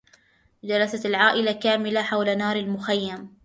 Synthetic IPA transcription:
d͡ʒaɾˤɑsalʕaːʔɪlakaːmɪlaħawlanɑːɾˤalmʊxajːam

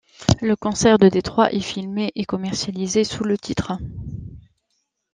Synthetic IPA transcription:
ləkɔ̃sɛʁd̪əd̪et̪χwaʔefilmeʔekɔmɛʁsjalizesulət̪ʰit̪χə

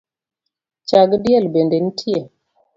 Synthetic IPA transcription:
t͡ʃaɡdjɛlbenden̩tʰje

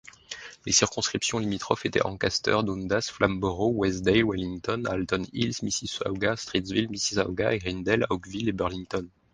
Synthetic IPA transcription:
lesiʁkɔ̃skχipsjɔ̃limit̪χɔfet̪ɛ̰ʔɑ̃kʲast̪œ̰ʁd̪ond̪asflambɔʁowɛsd̪ɛwaliŋt̪ɔna̰lt̪ɔnilsmisisa̰wɡast̪χit̪svilmisisa̰wɡa̰eʁind̪ɛlaɔɡvilebœʁliŋt̪ɔn

